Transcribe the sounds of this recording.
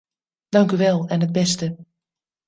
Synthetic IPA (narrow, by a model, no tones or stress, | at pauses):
d̥ɑŋkyʋɛlˠɛnɦəd̚bɛstə